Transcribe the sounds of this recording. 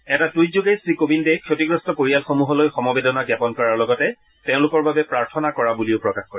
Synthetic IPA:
ɛtatujzuɡejsɹikobindekʰjotiɡɹɔstɔpoɹijalxomuɦɔlojxɔmɔbedɔnaɡjapɔnkɔɹaɹlɔɡɔtɛ | tẽʊ̃lʊkɔɹbabɛpɹaɹtʰɔnakɔɹabuliʊpɹɔkaxkoɹi

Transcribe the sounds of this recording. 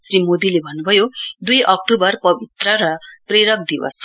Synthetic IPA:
srimod̪ilebʱʌnːubʱʌjod̪ujʔʌk̚ʈubʌrpʌbʱit̪rʌɾʌpreɾʌk̚d̪iwʌ̰s

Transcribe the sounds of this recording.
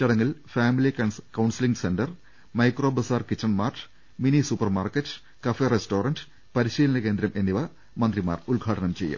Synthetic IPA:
t͡ɕɐɽɐŋːilfaːmilikɐskɐwɳsiliŋɡsenɖɐr | mɐjkroːbɐsaːrkitːɐnmaːrʈ | minisupːɐrmaːrketːɨ̥ | kɐferesto̞ːrɐnɖɨ̥ | pɐɾiɕiːlɐnɐke̞ːnd̪ɾɐmʔe̞nːiʋɐ | mɐnd̪rima̰ːrulɡʱaːʈɐɳɐmt͡ɕe̞jːṵm

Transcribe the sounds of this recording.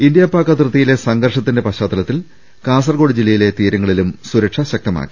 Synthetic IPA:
ind̪jɐpːaːkːɐt̪rɨt̪ːijile̞sɐŋɡɐrʂɐt̪ːinde̞pɐɕaːt̪ːɐlɐt̪ːil | kaːs̬ɐrɡo̞ːɽid͡ʑilːɐjile̞t̪iːɾɐŋːɐɭilumsuɾɐkʂɐɕɐk̚t̪ɐma̰ːkːi̥

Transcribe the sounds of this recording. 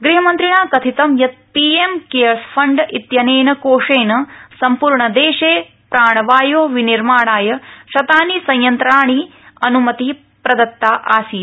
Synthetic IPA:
ɡɾiɦɐmɐnt̪ɾiɳaːkɐt̪ʰit̪ɐmjɐt̪̚piemkeːɐɭspʰɐɳɖit̪jɐneːnɐkoːʂeːnɐsɐmpuːɾɳɐd̪eːʂeː | pɾaːɳɐʋaːjoːʋiniɾmaːɳaːjɐʃɐt̪aːnisɐ̃jjɐnt̪ɾaːɳi | ɐnumɐt̪i | pɾɐd̪ɐt̪ːaːʔaːsiː

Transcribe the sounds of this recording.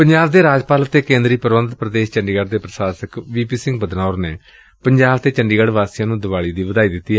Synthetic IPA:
pəɲd͡ʒaːbd̪eːɾaːd͡ʒpaːlət̪eːkẽːnd̪ɾiːpəɾʋə̃nt̪pɾəd̪eːʃt͡ʃəɳɖiːɡəɖd̪eːpɾəsaːsəkʋiːpiːsɪ̃ŋɡbəd̪naːɾneː | pəɲd͡ʒaːbt̪eːt͡ʃəɳɖiːɡəɽʋaːsijãːnũːd̪ɪʋaːɭiːd̪iːʋəd̪aːiːd̪ɪt̪ːiːɛ

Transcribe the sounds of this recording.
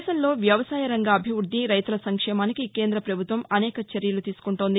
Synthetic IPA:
sɐnlo̞ːʋjɐʋɐsaːjɐɾɐŋɡaːbʱiʋuɾd̪ːiɾɐjt̪ulɐsɐŋkʂɛːmaːnikike̞ːnd̪ɾɐpɾɐbʱut̪ʋɐmɐnɛːkɐt͡ʃeɾjɐlut̪iːsu̥kuɳʈoːnd̪i

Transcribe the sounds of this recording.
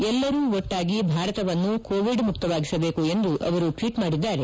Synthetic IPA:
ɛlːɐɾuːɔʈːaːɡibʱaːɾɐt̪ɐʋɐnːukoːʋiɖmuk̚t̪ɐʋaːɡisɐbe̞ːkue̞nd̪uʔɐ̰ʋɐɾuʈʋiːʈmaːɽid̪ːaːɾe̞

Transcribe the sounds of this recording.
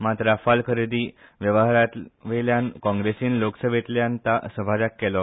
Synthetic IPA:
mat̪ɾafalkʰəɾed̪iːʋjəʋəɦaɾat̪ʋeljankɔ̃ŋɡɾesiːnloksəbʱet̪ljãnt̪asəbʱad͡zakːɛlɔ

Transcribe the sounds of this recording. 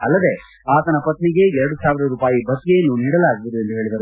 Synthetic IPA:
ɐlːɐd̪e̞ | aːt̪ɐnɐpɐt̪niɡe̞ɛɾɐɽusaːʋiɾɐɾuːpaːjibʱɐt̪ːɡejɐnːuniːɽɐlaːɡiʋid̪ue̞nd̪uɦe̞ːɭid̪ɐɾu

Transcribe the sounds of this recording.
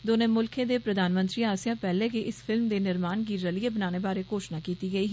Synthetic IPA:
d̪oːnẽːmʊlkʰẽːd̪eːpɾəd̪ʱaːnmə̃nt̪ɾiːaːsjãːpɛːlẽːkiʔɪspʰɪlmd̪eːnɪɾmaːnkiːɾəliebənaːneːbaːɾeːkoːʃnaːkiːt̪iːɡəiːɦ

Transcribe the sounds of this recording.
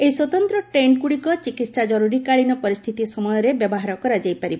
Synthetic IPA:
ejswɔt̪ɔnt̪ɾɔʈɾeɳɖ̚kuɽikɔt͡ʃikit̪sad͡ʒɔɾuɾikaɭinɔpɔɾist̪ʰit̪isɔmɔjɔɾebjɔbɔɦaɾɔkɔɾad͡ʒajpaɾibɔ

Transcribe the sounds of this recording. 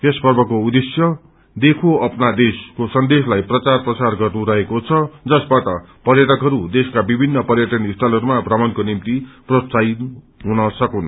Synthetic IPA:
t̪espʌrbʌkoud̪esjʌ | d̪ekʰoʌpnad̪eskosʌnd̪eslajprʌt͡sarprʌt͡sarɡʌrnuɾʌɦekot͡sʰʌd͡zʌsbaʈʌ | pʌrjʌʈʌkɦʌɾud̪eskabibʱinːʌpʌrjʌʈʌnisʈalɦʌɾumabʱrʌmʌnkonimt̪iprot͡sain | ɦunʌsʌkunʌ

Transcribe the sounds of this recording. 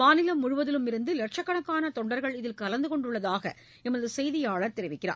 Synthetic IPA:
maːnɪlɐmːʊɻʊʋɐðɪlɯmɪɾɯnd̪ɯlɛʈ̚t͡ʃɐkːɐɳɐkːaːnɐt̪ɔɳɖɐɾɣɐɭɪðɪlkɐlɐnd̪ɯkɔɳɖɯɭːɐðaːɣɐ̰ | ɛmɐðɯsɛjðɪjaːɭɐɾt̪ɛɾɪʋɪkːɪra̰ː

